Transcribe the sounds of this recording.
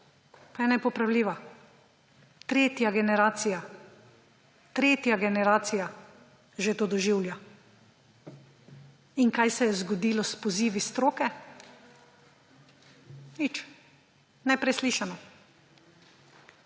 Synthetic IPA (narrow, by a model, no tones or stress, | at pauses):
pajɛnɛpɔpɾawliːʋa | t̪ɾeːt̪jaɡɛnɛɾaːt̪sija | t̪ɾeːt̪jaɡɛnɛɾaːt̪sija | ʒet̪od̪ɔʒiwlja | inkajsɛjɛzɡɔd̪iːlɔspɔziːʋist̪ɾoːkɛ | nit͡ʃ | nɛpɾɛsliːʃanɔ